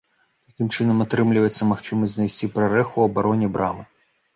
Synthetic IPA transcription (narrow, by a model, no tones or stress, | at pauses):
t̪ɐkʲimt͡ʂɨnɐmɐt̪ɾɨmlʲɪvɐt̪sʲːɐmaxt͡ʂɨmɐzʲznɐjsʲt͡sʲipɾɐɾɛxuɐbaɾɔnʲibɾʔa̰mɨ